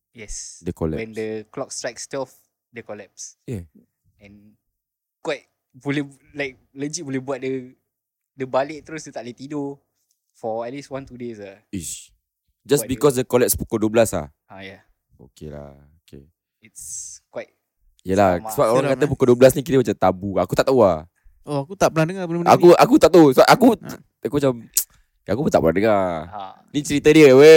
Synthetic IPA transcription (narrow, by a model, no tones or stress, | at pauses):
jɛsdəkɔlɛwɛ̃ndəklɔk̚stɹajkstɛf | dəkɔlɛpsjɛ | ɛ̃n | kwaɪt̚ | pulɛlajk̚lə̃nd͡ʒik̚bulɛhbuat̚də | dəbalɛt̚t̪ɾosət̪aʔ̚lɛt̪ido | fɔɛt̚liswãnt̪udesais | d͡ʒasbikɔsdəkɔlɛpspu̥koduəblasla̰ | j | o̰kela̰ | okḛ | itskwajt̚ | jəlasəbap̚oɾaŋkat̪əp̬ukoduəbəlas̬nik̬it̪əmat͡ʃat̪abuakut̪aʔt̪aua | oakut̪aʔpənahdəŋabəlməakuakut̪aʔt̪usəbaʔaku | akumat͡ʃam | akubət̪aʔpənandəŋa | nit͡ʃəɾit̪ədiəwe